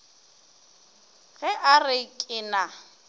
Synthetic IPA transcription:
ɣɛʔarɪkʼɪna

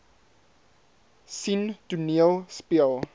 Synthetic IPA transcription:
sinduniəlspiəlˠ

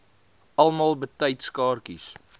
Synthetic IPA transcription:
ɐlˠmɑːlˠbətəjtskɑːrkḭs

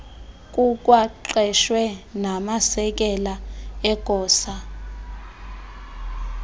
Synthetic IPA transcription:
kʼukʼwaǃɛʃwɛnamasɛk̬ʼɛlaɛɡ̥ʱɔːsa

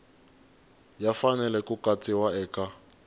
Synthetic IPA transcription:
jafanɛlɛkukat͡sʼiwaɛːka

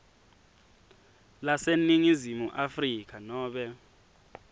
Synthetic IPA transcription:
laseniŋizimuʔafrik̬ʰanɔːɓɛ

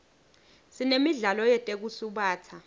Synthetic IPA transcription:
sinemiɮalɔjɛtʼek̬usuɓaːt͡sʰa

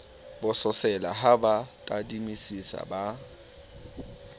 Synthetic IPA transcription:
bʊsʊsɛla̰ɦabatʼadimisisa̰ba

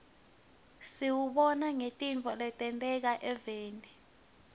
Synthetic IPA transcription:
siwuɓɔnaŋetʼint͡fʰʼɔlɛtʼɛntʼɛk̬aʔɛveːni

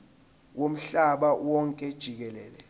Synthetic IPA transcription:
wom̩ɬaɓawɔŋkʼɛd̥ʒ̥ʱik̬ɛlɛːlɛ

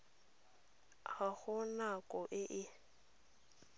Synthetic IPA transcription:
ɣaɣʊnakʼɔʔɪʔɪ

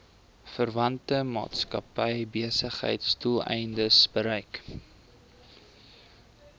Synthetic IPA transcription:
fərvɐntəmɑ̰ːtskɐpəjbiəsəχɦə̰jtstulˠɛ̰jndəsbəɾɛjk

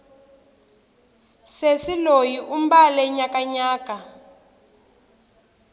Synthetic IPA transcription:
sesilojiʔumbalɛɲakaɲaːka

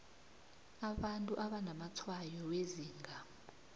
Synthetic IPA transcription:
aɓantʼuʔaɓanamat͡sʰwajɔweziːŋɡʱa

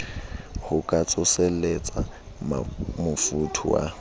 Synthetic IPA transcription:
hʊkʼat͡sʼʊsɛlet͡sʼa | mmʊfutʰʊwa̰

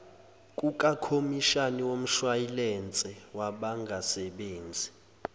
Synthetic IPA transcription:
kʼukʼakʰomiʃaniwom̩ʃwajilɛnt͡sʼɛwaɓaŋɡʱasɛɓeːnd͡zʱi

